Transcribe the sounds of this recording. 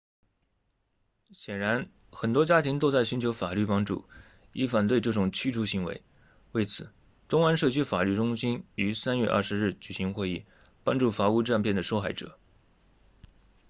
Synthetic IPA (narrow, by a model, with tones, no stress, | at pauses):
ɕjɛ˨˩nɻa˧˥n | xə˨˩nt̪wɔ˥t͡ɕja˥t̪ʰi˧˥ŋt̪o˥ʊt͡sa˥˩ɪɕy˧˥nt͡ɕʰjo˧˥ʊfa˨˩ly˥˩pɑ˥ŋʈ͡ʂṵ˥˩ | i˧˥fa˨˩nt̪we˥˧ɪʈ͡ʂɤ˥˩ʈ͡ʂʊ˨˩ŋt͡ɕʰy˥ʈ͡ʂʰu˧˥ɕi˧˥ŋwḛ˧˥ɪ | we˥˩ɪt͡sʰɹ̩˨˩˦ | t̪ʊ˥ŋa˥nʂɤ˥˧t͡ɕʰy˥fa˨˩ly˥˩ʈ͡ʂʊ˥ŋɕi˥ny˧˥sa˥nɥɛ˥˧ʔɐ̰˥˩ʂɻ̩˧˥ɻ̩˥˩t͡ɕy˨˩ɕi˧˥ŋxwe˥˧ɪi˥˩ | pɑ˥ŋʈ͡ʂu˥˩fa˧˥u˥˧ʈ͡ʂa˥˧npʰjɛ˥˩nd̪ə˩ʂo˥ʊxa˥˩ɪʈ͡ʂɤ̰˨˩˦